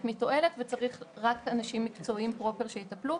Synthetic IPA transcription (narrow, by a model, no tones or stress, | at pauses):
tmito̞ʔe̞letvet͡saʁiχʁakanaʃimːikt͡so̞impʁo̞peʁʃejitaplu